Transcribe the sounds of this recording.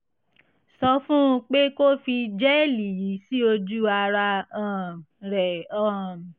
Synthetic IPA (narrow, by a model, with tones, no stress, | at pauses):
sɔ˧fũ˦˧k͡pe˦ko˦fi˧d͡ʒɛ˦e˦˨li˨ji˨˦si˦o˧d͡ʒu˦a˧ɾa˧ã˨ɾɛ˨ã˨